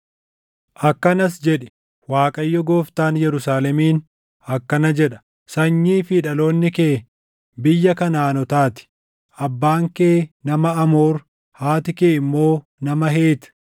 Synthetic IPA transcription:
ʔɐkːɐnɐs̬d͡ʒɛᶑɛ̥ | waːkʼɐjːɔɡoːft̪aːnjɛɾʊsaːlɛmiːn | ɐkːɐnɐd͡ʒɛᶑɐ̥ | sɐɲːiːfiᶑɐlo̞ːnːɪkeː | bɪjːɐkɐnaːnɔt̪aːt̪ɪ̥ | ʔɐbːaːŋkeːnɐmɐɐmoːɾ | haːt̪ɪkeːɪmːo̞ː | nɐmɐɦe̞ːt̪

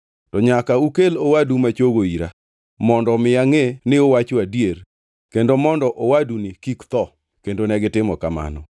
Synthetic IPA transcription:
tɔɲakaukelowadumat͡ʃoɡoiɾa | mɔndɔmɪjaŋenɪowat͡ʃoadjer | kendomɔndɔʔowadunɪkikt̪ɔ | kendonɛɡɪtɪmɔkama̰nɔ̰

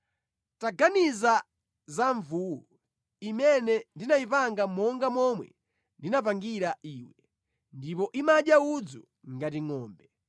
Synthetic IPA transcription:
taɡaniza | zaɱvuːwɔ | imɛnɛndinaipaŋɡamɔŋɡamɔmwɛ̰ | ndinapaŋɡiɾaʔiːwɛ | ndipɔʔimaɗjaud͡zu | ŋɡatiŋɔːmbɛ

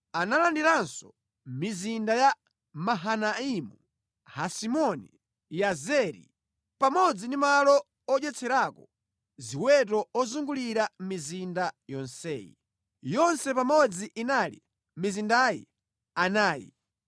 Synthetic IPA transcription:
analandiɾansɔ | mizindaja | maɦanaimu | hasimɔnḭ | jazɛɾḭ | pamɔd͡zindimalɔ | ɔɗɛt͡sʰɛɾakɔ | ziwɛt̬ɔɔzuŋɡuliɾammizindajɔnsɛ̰ːjḭ | jɔnsɛpamɔd͡ziʔinalḭ | mizindajḭ | anaːjḭ

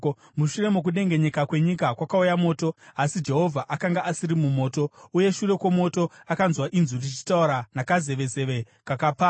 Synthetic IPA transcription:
muʃure̞muk̬uɗe̞ŋɡe̞ɲe̞kakwe̞ɲikakwakaujamo̞ːto̞asid͡ʒe̞ɦo̞vʱaʔakaŋɡaʔasiɾimumo̞ːto̞uje̞ʃure̞kwomo̞to̞akanzwaʔinzurit͡ʃi̥tauɾanakaze̞ʋe̞ze̞ʋe̞ | kakapa

